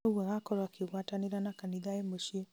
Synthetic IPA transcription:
uwɛɣakɔɾakiwataniɾanakaniðaɛmoʃe

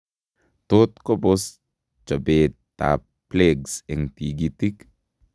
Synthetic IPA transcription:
t̪ot̪kobos | t͡ʃabetː | a̰ | pleɡseŋt̪iɡit̪ik

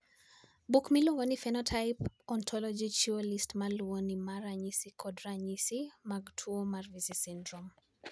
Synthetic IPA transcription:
bukmiloŋɡonifɛnɔtʰajpɔntʰɔlɔd͡ʒit͡ʃiolistmalwonimaɾaɲisikʰɔdɾaɲisimaɡtʰuomarvisisindɾɔm

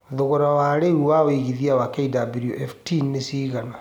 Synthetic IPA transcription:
ðoɣoɾawaːɾeuwawiɣiðiawakeidabɾioʔɛftinnesiːɣana

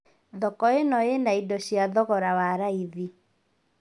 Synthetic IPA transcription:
ðɔkɔenɔjenaidɔɕjaðɔɣɔɾawaɾaiði

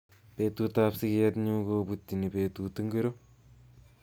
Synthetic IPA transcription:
peːtutapsikɛt̪ɲukoputːinipeːt̪utɨŋɡeɾo

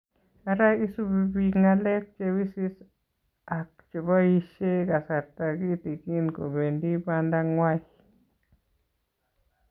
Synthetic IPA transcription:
aɾajisubibiŋalek̚t͡ʃewisis | ak̚t͡ʃebaiʃekasaɾt̪aɡit̪ikinko̰bendiband̪aŋwaj

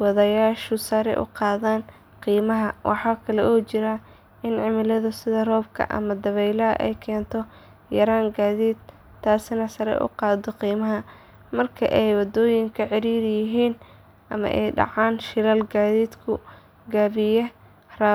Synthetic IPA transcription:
wɑðɐjaːʃʊsɐɾɛ̰ʔʊ̰qɑːðaːn | qiːmɐɦɐwʔɑ̰ħɑːkʰɐlɛʔɔːt͡ʃɪɾɐ | ɪnʕɪmɪlɐðʊsɪðɐrɔːb̚kʰɐ̰ʔɐ̰mɐd̪ɐβɛjlɐɐ̰ʔɛ̰jkʰɛːnt̪ʰɔ | jɐɾaːŋɡaːðiːd̪ʰ | aːsɪnɐsɐɾɛ̰ʔʊ̰qɑːd̪ɔqiːmɐɦɐ | mɐrkʰɐ̰ʔɛjwɑd̪ɔːjɪŋkʰɐʕɪɾiːɾjɪɦiːn | ʔɐmɐ̰ʔɛjɖɑ̰ʕaːnʃɪlɐlɡaːðiːd̪kʰʊ | ɡaːβɪjɛ | ra

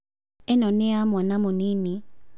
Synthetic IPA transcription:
ɛnɔnɛamwanamonini

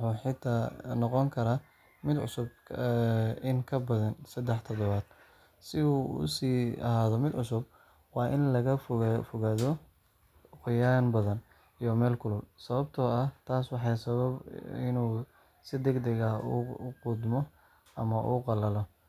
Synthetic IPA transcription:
wħuːħɪt̪ʰaːnɔqɔŋkʰɐɾa | mɪd̪ʕʊ̰sʊb̚ | ɪŋkʰɐbɐðɐnsɐd̪ɛħt̪ʰɔðɔβaːd̪̚ | sɪuʊ̰siːɐ̰ɦaːðɔmɪd̪ʕʊsʊb̚ | wɑːʔɪnlɐɣɐffʊɣaːðɔ | qʊjanbɐðɐn | ijɔmɛːlkʰʊlʊlsɐβɐbt̪ʰɔːɐt̪ʰaːswɑħɑjsɐβɐbɪ̰nuː | sɪd̪ɛɡd̪ɛɣɐṵqʊd̪mɔ | ʔɐmɐʔuqɑlɐlɔ

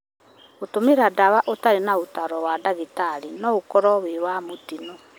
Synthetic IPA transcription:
otomeɾadawaʔotaɾenaotaɾɔwadaɣitaɾinɔokɔɾɔwewamotinɔ

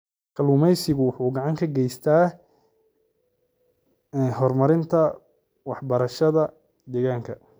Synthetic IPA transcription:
kʰɐluːmɛjsɪɣʊwʊħuːɡɑʕɑŋkʰɐɡɛjst̪ʰaː | ɦɔrmɐɾɪnt̪ʰɐ | wɑħbɐɾɐʃɐðɐ | d̪ɛːɣaːŋkʰɐ

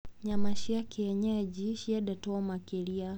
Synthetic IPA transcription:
ɲamaʃiakɛjɛɲɛɛd͡ʒiʃiaɗatɔɔmakɛlia

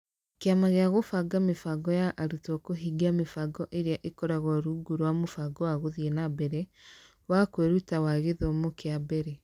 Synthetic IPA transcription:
keamaɣeaɣofaɡamefaɡɔjaʔaɾutɔkoɦiɡamefaɡɔʔeɾeaʔekɔɾaɣɔɾuɡuɾwamofaɡɔwaɣoðienabɛɾɛ | wakweɾutawaɣeðomokeabɛɾɛ

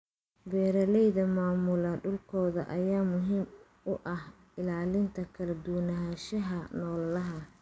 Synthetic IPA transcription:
bɛːɾɐlɛjðɐmaːmʊlɐɖʊlkʰɔːðɐ̰ʔɐjaːmʊɦiːm | ʊʔɐh | ɪlaːlɪnt̪ʰɐkʰɐlɐd̪ʊwnaʃɐɦɐnɔːllɐɦɐ

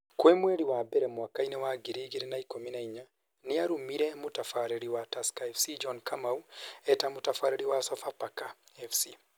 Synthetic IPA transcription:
kwemweɾiwabeɾemwakainewaɡiɾiɡiɾinaikominaiɲa | niaɾumiɾemutafaɾeɾiwatasi̥kaefsid͡ʒonkʰamauetamutafaɾeɾiwasafapakaefsi

